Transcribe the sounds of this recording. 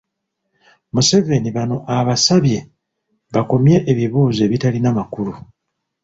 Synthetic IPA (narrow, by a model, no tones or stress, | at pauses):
muse̞ve̞niβano̞ʔaβasaβje̞ | βako̞mje̞ʔeβiβuːze̞ːβitalinamakulu